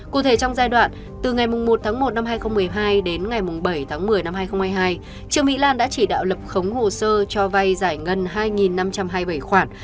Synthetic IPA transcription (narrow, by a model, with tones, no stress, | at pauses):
kṵ˧˨t̪ʰe˧˩t͡ɕɔ˧wŋ͡mzaː˧jɗwa̰ː˧˨n | t̪ɨ˨˩ŋa˨˩jmʊ˨˩ŋ͡mmo˨˩t̚t̪ʰaː˨˦ŋmo˨˩t̚na˧mhaː˧jxə˧wŋ͡mmɨ˨˩əjɦaː˧jɗe˨˦nŋa˨˩jmʊ˨˩ŋ͡mɓə˧˩jt̪ʰaː˨˦ŋmɨ˨˩əjna˧mhaː˧jxə˧wŋ͡mhaː˧jɦaː˧j | t͡ɕɨ˧əŋmḭ˧˥laː˧nɗa̰ː˧˥t͡ɕi˧˩ɗa̰ː˧˨wlə˨˩p̚xə˨˦wŋ͡mho˨˩səː˧t͡ɕɔ˧va˧jzaː˧˩jŋə˧nɦaː˧jŋi˨˩nːa˧mt͡ɕa˧mɦaː˧jɓə˧˩jxwaː˧˩n